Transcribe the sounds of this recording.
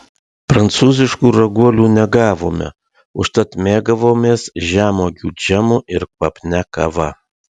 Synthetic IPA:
pɾɐnt̪suːzʲɪʃkuːɾɐɡuɔlʲuːnʲɛɡɑːʋoːmʲɛ̰ | ʊʃt̪ɐt̪mʲeːɡɐʋoːmʲeːsʒʲæːmoːɡʲuːd͡ʒʲæmʊʔɪɾkʋɐpʲnʲækɐʋɐ

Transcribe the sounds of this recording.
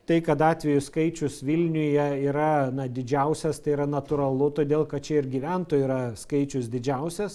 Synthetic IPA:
t̪ɐɪkɐt̪ɑːt̪ʲʋʲɛjʊskɐɪt͡ʃʲʊsʋʲɪlʲnʲʊjɛiːɾɐnɐd̪ʲɪd͡ʒʲɛʊsʲɛst̪ɐɪiɾɐnɐt̪ʊːɾɐlˠʊt̪oːd̪ʲeːlˠkɐt̪̚t͡ʃʲɛɪɾɡʲiʋʲænt̪oːjːɾɐskɐɪt͡ʃʲʊsd̪ʲɪd͡ʒʲɛʊsʲɛs

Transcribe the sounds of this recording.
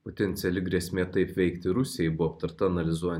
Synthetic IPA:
pot̪ʲɛnʲt̪sʲɛlʲɪɡɾʲiɛsʲmʲeːt̪ɐɪpʋʲɛɪkt̪ʲɪɾʊsʲɪjɛɪbʊoːp̚t̪ɐɾt̪ɐɐnɐlʲɪzuɔjɛ

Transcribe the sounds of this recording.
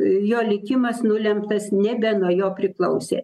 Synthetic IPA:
joːlʲɪkʲɪmɐsnʊlʲɛmpt̪ɐsnʲɛbʲɛnuɔjoːpʲɾʲɪklˠɐʊsʲḛː

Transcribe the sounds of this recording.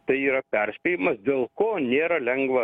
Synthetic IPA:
t̪ɐɪiːɾɐpʲɛɾʲsʲpʲeːjɪmɐsd̪ʲeːlˠkoːnʲeːɾɐlʲɛŋɡʋɐ

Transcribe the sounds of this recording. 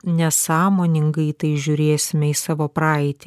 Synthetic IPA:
nʲɛsɑːmoːnʲɪŋɡɐɪt̪ɐɪʒʲʊːɾʲeːsʲɪmʲɛɪsɑːʋoːpɾɑɪt̪ʲː

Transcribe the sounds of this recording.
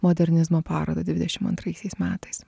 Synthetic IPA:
moːd̪ʲɛɾʲnʲɪzmoːpɑːɾo̰ːd̪ɐːd̪ʲʋʲɪd̪ʲɛʃʲɪmɐ̰nt̪ɾɐɪsʲɛɪsmʲæːt̪ɐɪs

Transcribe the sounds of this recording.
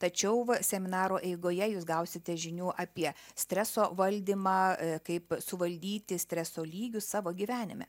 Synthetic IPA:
t̪ɐt͡ʃʲɛʊʋɐsʲɛmʲɪnɑːɾoːʔɛɪɡoːjɛjuːsɡɐʊsʲɪt̪ʲɛʒʲɪnʲuːʔɑpʲiɛsʲt̪ʲɾʲæsoːʋɐlʲd̪ʲimɑːkɐɪpsʊʋɐlʲd̪ʲiːt̪ʲɪsʲt̪ʲɾʲæsoːlʲiːɡʲʊsɑːʋoːɡʲiʋʲæːnʲɪmʲɛ̰

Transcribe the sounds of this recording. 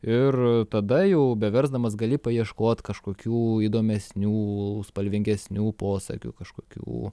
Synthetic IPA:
ɪrt̪ɐd̪ɐjɛʊbʲɛʋʲɛɾzd̪ɐmɐsɡɐlʲiːpɐjiɛʃkoːt̪kɐʃkoːkʲuːid̪oːmʲɛsʲnʲuːspɐlʲʋʲɪŋʲɡʲɛsʲnʲuːpoːsɐ̰kʲṵkɐʃkoːkʲṵː

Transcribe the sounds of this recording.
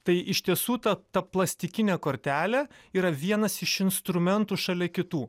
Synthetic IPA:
t̪ɐɪʔɪʃʲt̪ʲiɛsuːt̪ɐt̪ɐplˠɐsʲt̪ʲɪkʲɪnʲeːkoːɾʲt̪ʲæːlʲɛiːɾɐʋʲiɛnɐsɪʃɪnst̪ɾʊmʲɛnt̪uːʃɐlʲɛkʲɪt̪uː

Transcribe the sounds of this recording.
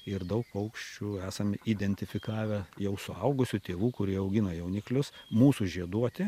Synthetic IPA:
ɪrd̪ɐʊk̚pɐʊkʃʲt͡ʃʲuːæːsɐmid̪ʲɛnʲt̪ʲɪfʲɪkɑːʋʲɛjɛʊsʊɐʊɡʊsʲʊt̪ʲeːʋuːkʊɾʲiɛɐʊɡʲɪnɐjɛʊnʲɪklʲʊsmuːsuʒʲiɛd̪uɔt̪ʲɪ

